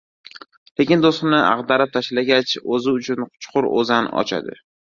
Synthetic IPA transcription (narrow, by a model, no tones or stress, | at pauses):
le̞kʲɪnd̪ost̪mnɪʔa̰ʁd̪aɾap̚t̪ʰaʃɪlaɡʲat͡ʃɵzɪʊt͡ʃʰʊnqʰʊ̥t͡ʃqʰʊɾo̰zanɒ̰t͡ʃʰa̰d̪ɪ̰